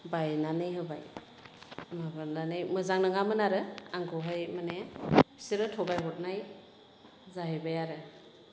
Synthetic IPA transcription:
bajnanɯjɦɯbaj | mabananɯjmɯzaŋnɯŋamɯnaɾɯaŋɡɔɦajmanebʰi̥siɾɯtʰɔbajɦɔt̚naj | zaɦejbajaɾɯ

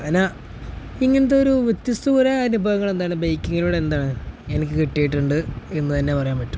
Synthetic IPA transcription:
ɐna | iŋːɐnɐt̪ːeoɾuʋet̪jɐst̪uɣuɾɐːnubʱɐʋɐŋːɐɭend̪aːɳɨbejkːiŋːɐluːɽend̪aːɳɨenikʲːɨkiʈːijiʈːuɳɖɨe̞nːɨt̪ɐnːe̞pɐrɐjaːnpɐʈːu̥m

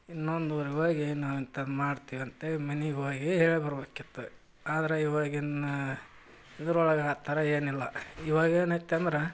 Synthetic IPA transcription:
inːond̪uʋɐɾiɡoːɡinaːwint̪ɐmaːɽt̪iːʋiɐnt̪emɐniɡoːɡiɦeːɭibɐɾɐbekit̪ːu | aːd̪ɐɾeiʋaːɡinɐ | id̪ɐɾɔɭɐɡaːt̪aɾɐeːnilːɐiʋaːɡeːnɐt̪ːeɐnd̪ɾe

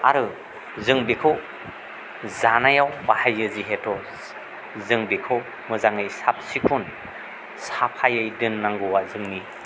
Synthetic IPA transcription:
aɾɯ | zɯŋbikʰɯw | zanajawmahajːɯziɦetʰɔ | zɯŋbikʰɯw | mɯzaŋɯjsap̚sikʰun | sapʰajɯjdɯnːaŋɡuwazɯŋni

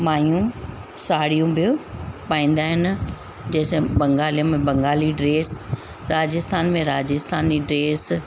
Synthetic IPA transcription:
maːijũ | saːɽijũbʱiopaːĩːnd̪aːɦɪnɪ | d͡ʑɐːsẽbɐ̃ŋɡaːliəmẽbɐ̃ŋɡaːliɖɾeːs | ɾaːd͡ʑɪst̪ʰaːnmẽɾaːd͡ʑɪst̪ʰaːniɖɾeːs

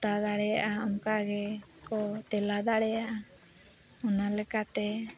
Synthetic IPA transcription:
t̪ad̪aɽɛja̰ʔaɔŋkaʔɡɛkɔt̪ɛlad̪aɽɛjaʔa | ɔnalɛkat̪ɛ

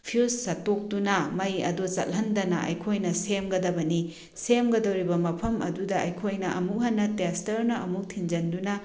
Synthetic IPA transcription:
pʰiussɐtːok̚dunɐmɐjɐ̰dut͡ʃɐ̰lhɐndɐnɐʔɐ̰jkʰojnɐsemɡɐdɐbɐni | semɡɐdɐwɾibɐmɐpʰɐmɐ̰dudɐʔɐjkʰojnɐʔɐmuɦɐnːɐtestɐɾnɐɐmuk̚tʰind͡ʒɐndunɐ

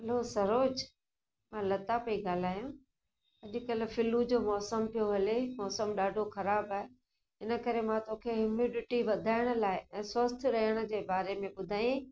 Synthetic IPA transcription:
ɦɐlosɐɾoːd͡ʑ | mãːlɐt̪apɐiɠaːl̤aːjũ | ɐʄʊ̆kɐlfɪlud͡ʑoːmɔːsəmpijoɦɐlemɔːsəmɗaːɖʱoxɐɾaːbaːɦe | ɦɪnə̆kɐɾemãt̪oːkʰeɦʊmiːɖɪʈiʋɐd̪ʱaːɪɽ̃ə̆laːɪɛ̃ːswɐst̪ʰɾɐəɽ̃ə̆d͡ʑeːbaːɾemẽɓʊd̪ʱaːĩ

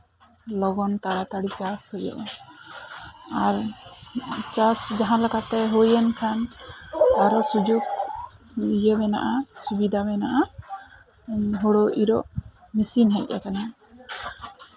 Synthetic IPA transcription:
lɔɡɔnt̪aɾat̪aɽit͡ʃashɔjɔ̰ʔɔ | aɾ | t͡ʃasd͡ʒaɦãlakat̪ɛɦujɛnkʰan | aɾɔsud͡ʒuɡ | jəbɛna̰ʔasubid̪abɛnaʔa | ɦoɽɔʔiɾɔ̰ʔ | misinɦɛc̚ˀːa̰kana

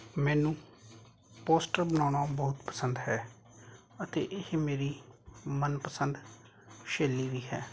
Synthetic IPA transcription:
mɛ̃ːnũː | poːsʈəɾbənaːɽaːbɔːʊt̪pə̥sənd̪ɦɛː | ət̪ḛːʔɪmeːɾiːmənpəsənd̪ | ʃeːliːʋiːɦɛː

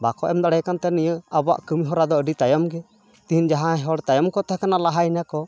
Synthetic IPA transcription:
bakɔʔɛmd̪aɽɛjkant̪ɛnijəaba̰ʔkəmiɦɔɾad̪ɔəɖit̪ajɔmɡɛ | t̪iɦind͡ʒaɦãɛɦɔɽt̪ajɔmkɔt̪ɛɦkanalaɦajnakɔ

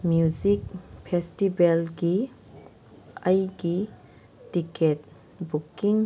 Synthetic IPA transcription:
mjuzik̚pʰestibelɡi | ɐjɡi | tiket̚ | bukiŋ

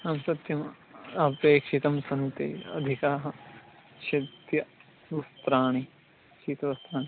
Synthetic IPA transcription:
ɐmsɐt̪jɐm | ɐpeːkʃit̪ɐmsɐnt̪ḛːɐ̰d̪ʱikaːɦɐ | ʃɐd̪jɐ | ʋɐst̪ɾaːɳi | t͡ʃiːt̪ɐʋɐst̪ɾaːɳi

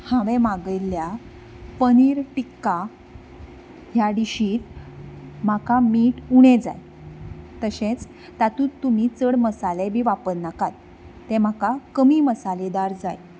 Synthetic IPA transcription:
haʋemaɡəjlja | pəniːɾʈikːa | ɦjaɖiɕiːt̪̚ | makamiːʈuɽ̃ed͡za̰j | t̪əɕẽt͡s | t̪at̪uːt̪ːumit͡səɽməsalebʱiːʋapəɾnakat̪ː | ẽm̤akakəmiːməsaled̪aɾd͡zaj

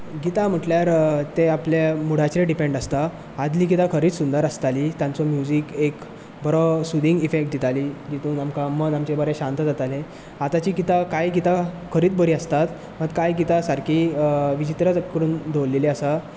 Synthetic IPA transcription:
ɡit̪am̤əʈljaɾt̪eapljamuɽ̤at͡ɕɾeɖipeɳɖəst̪aː | d̪liːɡit̪akʰəɾiːt͡ssund̪əɾast̪aliːt̪jãnt͡sɔmjud͡ʑiːkek | bəɾɔsud̪ʱiŋɡifek̚ʈ̚d̪it̪aliːd͡ʑit̪uːnamkamənamt͡ɕebəɾeɕãnt̪əd͡zat̪ale | at̪at͡ɕiːɡit̪akajɡit̪akʰəɾiːt͡sbəɾiːəst̪at̪ | məɡkajɡit̪asaɾkʰiːʋit͡ɕit̪ɾət͡səkəɾuːnd̪oʋlːeleəsa

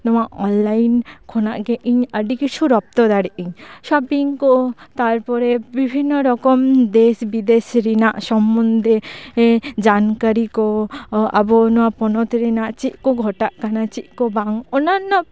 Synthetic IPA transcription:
nɔwaʔɔnlajnkʰɔnaʔɡɛʔiɲəɖikit͡ʃʰuɾɔp̚t̪ɔd̪aɽiʔiɲʃɔpiŋkɔt̪aɾpɔɾɛbibʱinːɔɾɔkɔmd̪esbid̪esɾinaʔsɔmːɔnd̪ɛ | d͡ʒankaɾikɔa̰bɔnɔwapɔnɔt̪ɾinaʔt͡ʃit̪̚ˀkɔɡʱɔʈaʔkanat͡ʃit̪̚kɔbaŋɔnanːɔ

